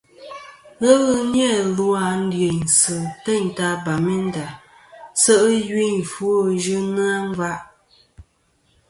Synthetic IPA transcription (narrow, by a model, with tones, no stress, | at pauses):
ɣə˦ɣɨ˦n˦ɛ˦˨lu˦a˨n̩˦dɰe˨ɲn˨sɨ˨tɛ˦˨ɲ˨ta˦ba˨mi˦n̩˦da˨ | sə˦ʔjwi˦ɲ˨fu˦o˦ʒɨ˦nɨ˦a˦ŋ˦va˦ʔ